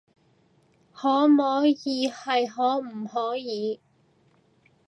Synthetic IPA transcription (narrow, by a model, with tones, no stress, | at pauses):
hɔː˨˥mɔː˨˥jiː˨˧hɐ˨jɦɔː˨˥m̩˨˩hɔː˨˥jiː˨˧